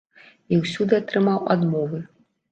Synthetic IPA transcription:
iwsʲud̪ɨat̪ɾɨmawa̰d̪mɔvɨ

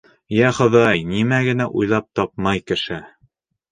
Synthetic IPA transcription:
jæχɤ̆ðɑjnimæɡɘ̆næʔujlˠɑp̚t̪ɒp̚mɑjkɘ̆ʃɘ

